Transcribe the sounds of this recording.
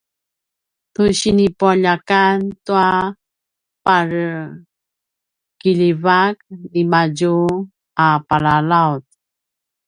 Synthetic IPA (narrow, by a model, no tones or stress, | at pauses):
tuɕinipuaʎakantua | paɾ | kiʎivak̚dimaɟu | apalalawt̚